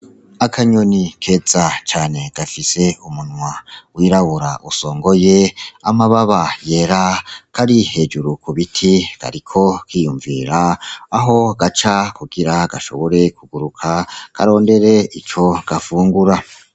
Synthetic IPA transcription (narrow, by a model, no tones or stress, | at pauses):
akʰaɲonikʰe̞ːzat͡ʃaːne̞ɡ̥afise̞umunŋwawiɾaβuɾa̰ʔuso̞ːŋɡo̞je̞amaβaβaje̞ɾakaɾihe̞d͡ʒuɾukʰuβitʰiɡ̥a̰ɾikʰo̞kiːjuɱviɾaːɦo̞ɡat͡ʃakuɡiɾaɡaʃo̞̰βo̞ɾe̞kuɡuɾukʰakʰa̰ɾo̞ːnde̞ɾe̞it͡ʃo̞ɡ̥afuːŋɡuɾa